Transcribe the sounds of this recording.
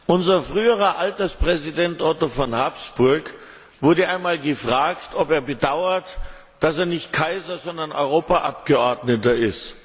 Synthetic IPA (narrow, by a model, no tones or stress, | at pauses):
ʔʊnzɐfʁ̥yːəʁɐʔaltɐspʁ̥ɛzidɛntʔɔtofɔnhaːpsb̥ʊɐk | vʊɐdəʔaɪnmaːlɡəfʁ̥aːktɔpeːɐbədaʊɐt | d̥aseːɐnɪçtkʰaɪzɐzɔndɐnʔɔ̰ʏʁ̞oːpaʔapɡ̥əʔɔɐdnətɐɪst